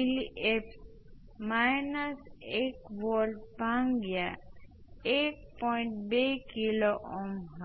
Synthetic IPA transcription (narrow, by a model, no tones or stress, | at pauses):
iliʔep | majnəsekʋɔlɖbʱaŋɡja | ek̚pɔj̃ɳʈ̚bejkiloʔɔmɦa